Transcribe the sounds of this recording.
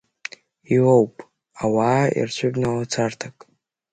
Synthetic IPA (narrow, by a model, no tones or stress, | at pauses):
iwowpʼ | awaːḭrt͡ɕʷʰʊbnalat͡sʰartʰakʼ